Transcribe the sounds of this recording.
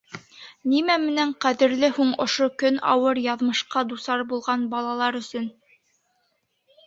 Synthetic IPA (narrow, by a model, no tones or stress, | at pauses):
nimæmɘ̆næɴqæðɘ̆ɾlɘhuɴŏʃokɵnɑ̰wɤɾjɑðmɤ̆ʃqɑd̪usɑɾbulˠʁɑnbɑlˠɑlˠɑɾɵ̆sɵn